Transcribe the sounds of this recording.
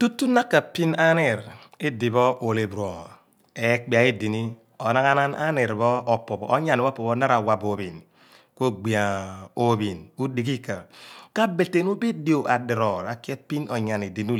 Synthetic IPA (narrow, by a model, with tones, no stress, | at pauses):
tu˦tːu˦na˦kːa˨pi˦na˦ne˨ɾe˦di˨bɔ˦ʔo˨le˨bɾo˨ | e˨˦k͡pi˨a˨e˦di˨ni˦ | o˨na˦ŋa˦na˦na̰˦ne˨ɾbɔ˦o˨pːo˨bːɲa˨n˦o˦po˨bo˦na˦ɾa˨wa˨bo˨bi˨n | ko˦ɡ͡bi˨a˨o˨bi˨nu˦di˨ki˦ka˨ka˦be˨te˨nu˦be˦di˦o˨ʔa˨de˨ɾɔ˨ɾa˨ki˦e˦pi˦no˨ɲa˨ne˨di˨n˦u˦